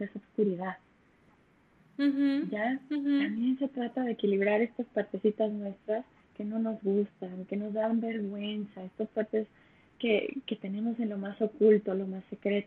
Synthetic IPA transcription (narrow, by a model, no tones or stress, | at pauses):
esaobskuɾiðað | ʝat̪ambje̞nse̞t̪ɾat̪aðe̞ːkiliβ̞ɾaɾe̞st̪aspaɾt̪e̞sit̪aznwe̞st̪ɾas | ke̞no̞no̞zɣust̪aŋke̞no̞zðambe̞ɾɣwe̞nsae̞st̪ospaɾt̪e̞s | ke̞ke̞t̪e̞ne̞mo̞senlo̞maso̞kult̪o̞lo̞masːe̞kɾe̞t̪o